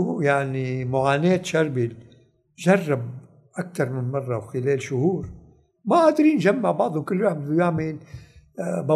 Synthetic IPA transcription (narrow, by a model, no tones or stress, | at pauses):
jaʕnimʊʕaːneːt̪ʃɑɾˤbil | ʒɑrˤːɑb̚ | ʔak̚t̪ɑɾˤmɪnmɑrˤːɑwxɪleːlʃʊhuːɾ | maʔad̪ɾiːnʒamːaʕbɑʕd̪ˤʊkɪlːjoʕbɪd̪ʊjaʕmɪl | bɑ